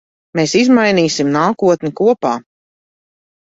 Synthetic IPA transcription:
meːsizmajniːsimnaːkuɔt̪nʲikuɔpaː

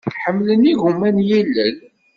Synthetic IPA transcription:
ħəmːləniʝumːænjælːæn

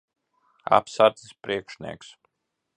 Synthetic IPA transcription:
a̰psaɾt̪ispɾiɛkʃnʲḭɛks

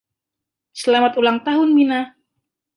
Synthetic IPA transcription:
səlamat̪ulaŋt̪aɦʊnmina

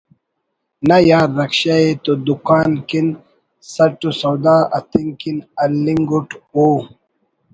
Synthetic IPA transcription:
nɐjaːɾːɐkɕaet̪od̪ukaːnkin | sɐʈusɐwd̪aːɐ̰t̪iŋkinɐlːiŋɡuʈoː

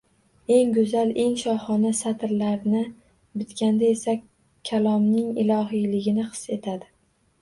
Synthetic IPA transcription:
e̞ŋɡʊzale̞ŋʃɒχɒnasat̪ɾlaɾnɪ | bɪt̪kʲand̪ae̞sa | kʲʰːalˠɒmnɪŋɪ̰lˠɒɦijlɪɡʲɪnɪqɨ̥se̞t̪ʰad̪ɪ

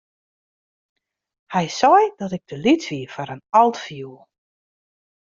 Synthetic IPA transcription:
hɛjsɔjdɔtɪɡ̚d̥əlitʋiəfaɾənɔlˠtfjulˠ

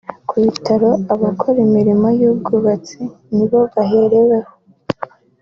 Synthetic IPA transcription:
kuβitʰaɾo̞aβakʰoɾimiɾimo̞jub̚ɡuβat͡si | niβo̞βaɦe̞ɾe̞weho

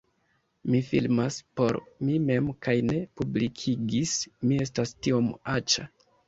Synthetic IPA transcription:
mifḭlmaspo̞̰ɾmime̞mkajne̞publikʰiɡismie̞s̬tastio̞mat͡ʃa

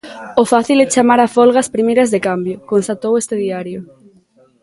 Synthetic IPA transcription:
ofaθilet͡ʃamaɾafolɣaspɾimejɾɐzðekambjʊkonst̪at̪owest̪ɪðiaɾjʊ

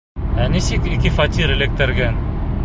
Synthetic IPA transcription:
ænisɘkikɘfɐt̪ʲiɾɘ̆lɘ̆k̚t̪ɘ̆ɾɡæn

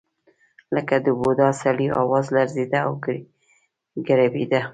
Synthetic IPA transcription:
ləkad̪əbod̪ɑsaɽiɑ̰wɑzlaɾzed̪aːw | ɡaɾabid̪a

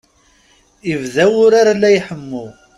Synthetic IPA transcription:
ivðæwʊɾaɾalːæjħəmːʊ

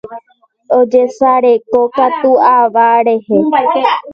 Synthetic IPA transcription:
od͡ʒesaɾekokat̪uaʋaɾehe

